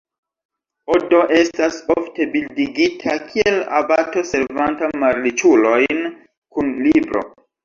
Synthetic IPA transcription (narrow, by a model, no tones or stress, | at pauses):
o̞do̞ʔe̞stasofte̞bildiɡitʰakʰie̞la̰bato̞se̞ɾvantamaɾit͡ʃulo̞jn | kunlibɾo̞̰